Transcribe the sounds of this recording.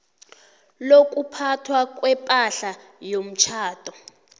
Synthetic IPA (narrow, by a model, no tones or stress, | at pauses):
lok̬ʼupʰatʰwak̬ʼwɛpʼaɬa | jom̩t͡ʃʰaːtʼɔ